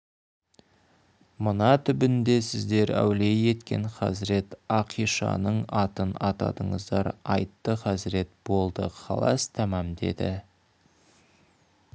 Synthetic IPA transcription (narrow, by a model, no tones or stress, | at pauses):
mʊnɑt̪ʰʏbɪnd̪e̞sɪzd̪e̞ɾæ̰wle̞je̞t̪kʲe̞̰ɴqɑ̰zɪɾe̞t̪ɑqʰijʃɑ̰nəɴɑt̪ənɑt̪ɑ̰d̪əɴə̰zd̪ɑɾɑjt̪ːəqɑsɪɾe̞t̪̚b̥o̞lˠd̪əqʰɑ̰lˠɑ̰st̪ʰæmɑmd̪e̞̰d̪ɪ̰